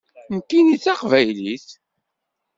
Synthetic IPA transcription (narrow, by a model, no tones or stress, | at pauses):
nkːinit͡sːaqvæjliθ